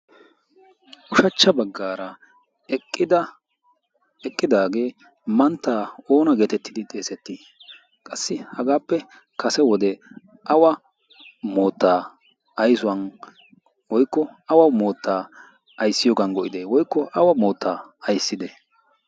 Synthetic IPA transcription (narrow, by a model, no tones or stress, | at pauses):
ʔʊʃɐt͡ʃːɐbɐɡːaːɾɐ | ɛkʼːɪd̪ɐ | ɛkʼːɪd̪aːɡe̞ː | mɐnt̪ːaːo̞ːnɐɡeːt̪ɛt̪ːɪd̪ɪt̪ʼe̞ːsɛt̪ːɪ | kʼɐsːɪhɐɡaːpːɛ | kɐsɛwɔd̪ɛ | ʔɐwɐ | mo̞ːt̪ːaː | ɐjsʊwɐn | wɔjkːɔɐwɐmo̞ːt̪ːaː | ɐjsːɪjɔːɡɐnɡɔʔɪd̪eːwɔjkːɔʔɐwɐmo̞ːt̪ʰːaːɐjsːɪd̪ɛ